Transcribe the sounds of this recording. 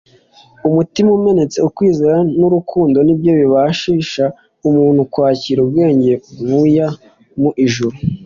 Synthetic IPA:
umutimaume̞ne̞t͡se̞ukwiːzeɾanuɾukʰuːndo̞nibjo̞βiβaʃiːʃa | umuːnhukwaːciːɾub̚ɡe̞ːɲɟe̞βuja | muʔiʒuɾu

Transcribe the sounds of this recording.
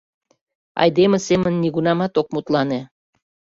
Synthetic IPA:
ɑ̰jd̪emesemənːiɣunɑmɑt̪ok̚mut̪lɑne

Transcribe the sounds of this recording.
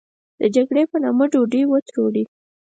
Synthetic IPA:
d̪̥əd͡ʒaɡɽepənɑməɖoɖiwət̪ɾoɽi

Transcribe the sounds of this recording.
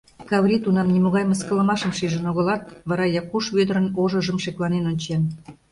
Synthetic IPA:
kɑwɾʲit̪unɑmnimoɣɑjməskə̆lə̆mɑʃəmʃiʒənoɣə̆lɑt̪βɑɾɑjɑkuʃβød̪əɾə̆noʒə̆ʒəmʃeklɑnenonʲt͡ɕen

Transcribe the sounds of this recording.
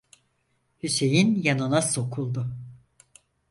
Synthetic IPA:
hyse̞jinjanɯnaso̞kʰulˠd̪ʊ

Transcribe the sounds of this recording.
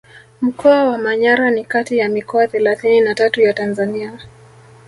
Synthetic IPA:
m̩kʰɔawamaɲaɾanikatijamikɔaθɛlaθininatatujatanzania

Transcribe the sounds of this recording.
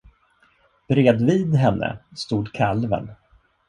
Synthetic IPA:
b̥ɾeːd̪viːd̪ɦɛnːʔə̰st̪uːd̪kʰalvə̰n

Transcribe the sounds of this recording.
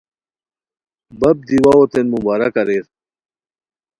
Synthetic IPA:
bɐb̚d̪iwaot̪enmubaːɾɐkɐɾeɾ

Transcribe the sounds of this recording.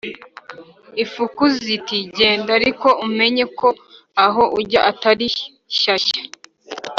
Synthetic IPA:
ifukuzitiɟe̞ːndaɾiko̞ʔume̞ɲe̞ko̞ | aɦo̞ʔuɟaʔataɾi | ɕaɕḁ

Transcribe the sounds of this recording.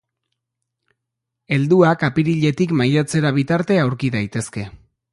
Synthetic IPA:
e̞ld̪uakapiɾiʎe̞t̪ikmajat͡se̞ɾaβ̞it̪aɾt̪e̞awɾkiðajt̪e̞ske̞

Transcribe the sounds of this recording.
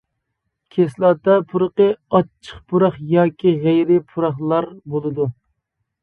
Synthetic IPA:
kʲʰeslˠɑːt̪ɑpʰuɾəqəɑt͡ʃʰːə̥χpʰuɾɑχjɑːkʲʰiʁejɾɪpʰuɾɑχlˠɑɾbolˠɨd̪u

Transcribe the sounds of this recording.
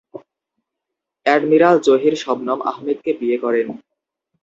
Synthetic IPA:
ɛɖmiɾald͡ʑoɦiɾʃɔbnama̰ɦmed̪kebiekɔɾen

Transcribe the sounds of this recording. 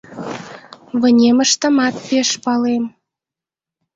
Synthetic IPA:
βə̆nʲeməʃt̪ə̆mɑt̪̚peʃpɑlem

